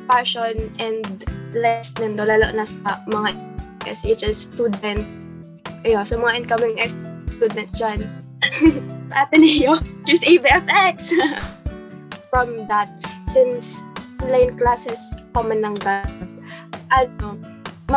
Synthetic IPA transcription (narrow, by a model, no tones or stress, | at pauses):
pɛɹʃonʔɛ̃nd̪lɛst̪nɛnd̪olalo̰ʔnɐsɐmɐŋaʔɛ̰sʔet͡ʃɛst̪ud̪ɛ̃nt̪̚ | ʔɐjonsɐmɐŋaʔɪnkamɪ̃ŋʔɛst̪ud̪ɛnt̪̚d͡ʒan | sʔapɛnɪjotisʔebiɛfʔɛks | fɹɐ̃md̪ɐt̪̚sɪnsɔnlajnklasɛskomɐnɐŋɡab̚ | ʔɐno | mɐ